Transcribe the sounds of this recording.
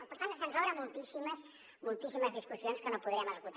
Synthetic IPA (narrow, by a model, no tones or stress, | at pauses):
əpəɾt̪aləsənzoβɾɐmulˠt̪isiməs | mulˠt̪isiməzðiskusionskənopuðɾiəməzɣut̪